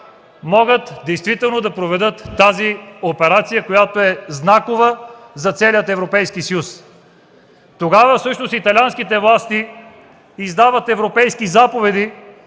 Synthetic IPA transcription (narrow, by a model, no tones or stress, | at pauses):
mɔɡət̪d̪ɛjst̪vit̪ɛlˠnod̪ɐpɾovɛd̪ɤt̪ːaziopɛɾat̪sijəkojat̪oɛznakovəzɐt̪sɛliət̪ɛvɾopɛjskisɐjus | t̪oɡavəfsɤʃnosit̪ɐlʲanskit̪ɛvlˠast̪iː | zd̪avət̪ɛvɾopɛjskizapovɛd̪i